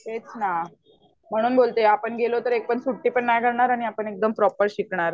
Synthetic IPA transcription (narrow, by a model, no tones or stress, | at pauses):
ɦet͡sna | m̤əɽ̃uːnbolt̪eapəɳɡelot̪əɾek̚pəɳsuʈːiːpəɳːajɡʱəɽɳaɾaɽ̃iapəɳek̚d̪əmpɾɔpəɾɕikɳaɾ